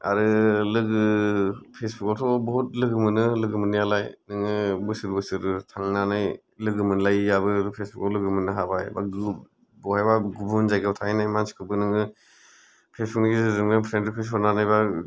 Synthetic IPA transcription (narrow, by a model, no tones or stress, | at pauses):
a̰ɾɯlɯɡɯpʰesbukɔtʰɔbɔhut̚lɯɡɯmɯnɯlɯɡɯmɯnɯjalajnɯŋɯbɯsɯɾbɯsɯɾɯtʰaŋnanaj | lɯɡɯmɯnlajjabɯɾɯpʰesbukɔlɯɡɯmɯnɯɦabajba̰ɡ | bɔhajbaɡubunzajɡɯbtʰajnajmansi̥kʰɯbɯnɯŋɯ | pʰesbʰuknɯɡizɯzɯŋɯpʰɾentipʰes̬ʰɔnanajba